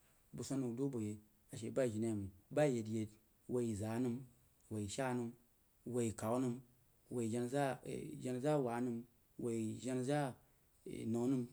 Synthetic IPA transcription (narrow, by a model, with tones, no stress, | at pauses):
bu˨so˧˦nu˧˨do˦bo˨je˨ | a˨ʃ̬e˨ba˦i˨ʒi˨na˦˨mi˨ba˦˨je˨dje˧d | wo˧ji˨za˨˦nu˧m | wo˨i˨ʃa˦nu˧m | wo˧ji˨ka˨wnu˧m | wo˧i˨ʒe˧n˨za˦˨ʒe˧n˨za˦˨wa˨˦nu˧m | wo˧i˨ʒe˧˦nza˦˨ | no˨˦nu˦m